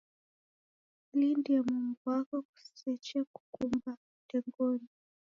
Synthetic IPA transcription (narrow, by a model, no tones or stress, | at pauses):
lindiamumbuakɔku̥ssɛt͡ʃɛaku̥kumba | tɛŋɡɔni